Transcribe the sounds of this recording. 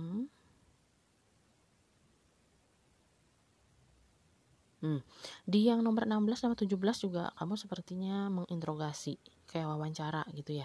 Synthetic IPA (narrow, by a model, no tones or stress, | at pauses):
dijaŋnɔmərənambəlasnamat̪ud͡ʒuhbəlasd͡ʒuɡa̰kamusəpərt̪iɲaməŋʔint̪ɾoɡasikajawawaɲt͡ʃaɾaɡit̪uja